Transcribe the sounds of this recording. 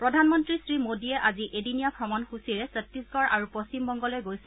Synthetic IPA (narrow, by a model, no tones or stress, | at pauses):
pɹɔdʱanmɔntɹisɹimodiɛʔaziʔedinijapʰɹɔmɔnxusiɹɛsətːisɡɔɹʔaɹupost͡ɕimbɔŋɡɔlojɡojs